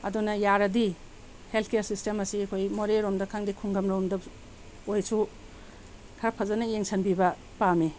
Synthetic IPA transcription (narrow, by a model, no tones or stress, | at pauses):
ɐdunɐjaɾɐdi | heltʰkejɐɾsistemɐsiɐkʰojmoɾeɾomdɐkʰaŋdikʰuŋɡɐmɾowmdɐ | ojsu | kʰɐɾɐpʰɐzɐnɐjeŋsʰɐnbibɐ | pame